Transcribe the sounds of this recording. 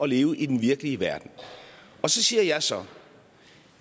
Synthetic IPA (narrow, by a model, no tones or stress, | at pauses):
ɒ̽le̝ːʊəʔid̥enʋiɐɡ̥əliəʋæɐd̥n̩ʔɒ̽sɒ̽siːɐjɑ̈ɪsɒ̽